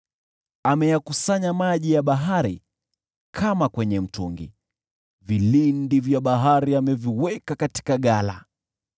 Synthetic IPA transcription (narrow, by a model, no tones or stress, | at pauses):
amɛjakusaɲamaʄijaɓaɦaɾḭ | kʰamakwɛɲɛm̩tuŋɡḭ | vilindivjaɓaɦaɾiamɛviwɛkakati̥kaɠala̰